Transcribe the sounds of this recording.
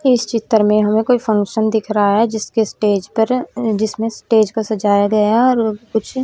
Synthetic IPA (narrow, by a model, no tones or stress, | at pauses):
ɪst͡ʃɪt̪ːəɾmẽɦɐmẽkoːipʰɐ̃ŋkʃənd̪ɪkʰɾaɦaɦɛd͡ʒɪskesʈeːd͡ʒpəɾd͡ʒɪsmẽsʈeːd͡ʒkasɐd͡ʒaːjaɡɐjaɔːɾkʊt͡ʃʰ